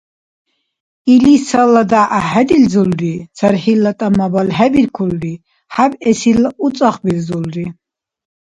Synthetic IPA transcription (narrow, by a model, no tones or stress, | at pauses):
ilisalad̪aʔahɛd̪ild͡zulrit͡sʰaɾħilːat̪ʼamabalɦɛbiɾkʰulɾi | ħabɛsilut͡sʼaχbilzulɾi